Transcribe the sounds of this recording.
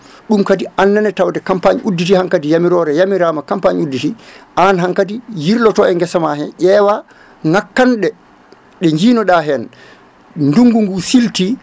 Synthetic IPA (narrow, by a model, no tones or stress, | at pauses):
ɗumkadiʔanːanɛtawdɛkampaɲʔudːit̬ihaŋkadijamiɾɔɾɛjamiɾaːmakampaɲudːitiʔanɦaŋkadijiɾlɔtɔɛŋɡɛsamaɦɛnʔɛwa | ŋakːanɗɛ | ɗɛɲd͡ʒiːnɔɗaɦɛn | nduŋɡuŋɡusilti